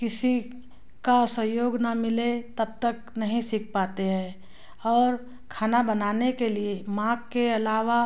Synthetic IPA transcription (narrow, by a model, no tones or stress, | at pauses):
kɪsi | kasə̃joːɡnamɪlet̪ɐb̚t̪ək | nɐɦĩsɪk̚ʰpaːt̪eɦɛ̃ː | ɔːɾ | kʰaːnabənaːnekeliemãːɡ̚keɐlaːʋa